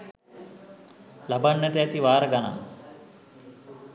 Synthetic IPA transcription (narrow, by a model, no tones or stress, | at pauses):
labanːət̪əæt̪iʋaːɾəɡana̰